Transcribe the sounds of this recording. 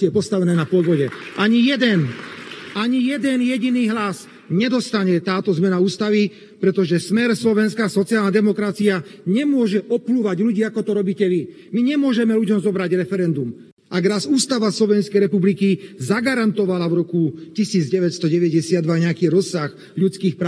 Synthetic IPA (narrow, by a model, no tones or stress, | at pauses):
jɛpɔst̪aʋɛnɛːnapɔd̪ʋɔɟɛʔaɲijɛd̪ɛn | aɲijɛd̪ɛnjɛɟiniːɦlas | ɲɛd̪ɔst̪aɲɛt̪aːt̪ɔzmɛnauːst̪aʋi | pɾɛt̪ɔʒɛsmɛɾslɔʋɛnskaːsɔt͡siaːlnad̪ɛmɔkɾat͡siaɲɛmʊɔʒɛʔɔpluːʋaɟʎuɟiːakɔt̪ɔɾɔbiːcɛʋi | miɲɛmʊɔʒɛmɛluɟɔmzɔbɾaɟɾɛfɛɾɛnd̪um | aɡɾazuːst̪aʋaslɔʋɛnskɛjɾɛpublikizaɡaɾant̪ɔʋalaʋɾɔkucisiːd͡zɟɛʋɛcst̪ɔɟɛʋɛɟɛsɪad̪ʋaɲɛakiːɾɔsːax | ʎut͡skiːxpɾaː